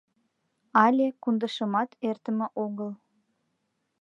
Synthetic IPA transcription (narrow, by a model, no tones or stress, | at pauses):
ɑlʲekund̪əʃəmɑt̪ert̪əmĕʔoɣəl